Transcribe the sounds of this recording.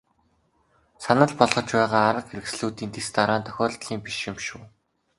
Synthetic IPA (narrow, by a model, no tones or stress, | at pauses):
sanə̆ɮpɔɮʁ̥ɞ̆t͡ɕpæːʁaːɾə̆qxeɾɘ̆ksɮuːt̪iːnt̪est̪aɾaːnt̪ʰœ̥xʲɔːɮt̪ɮiːŋpiʃjɪ̆mʃuː